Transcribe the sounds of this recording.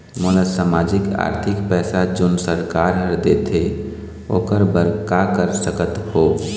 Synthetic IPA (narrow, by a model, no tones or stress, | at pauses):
moːləsaːmaːd͡ʒɪka̰ːɾt̪ʰɪkpɛːsad͡ʒoːnsəɾkaːɾɦəɾd̪et̪ʰe | o̰ːkəɾbəɾkakəɾsəkət̪hoː